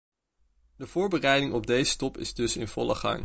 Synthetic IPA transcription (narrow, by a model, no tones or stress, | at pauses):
dəv̥ʊːɹbərɛjdɪŋɔb̚dejzətɔpɪ̰zdɵsɪ̰nv̥ɔ̰ləχɑ̰ŋ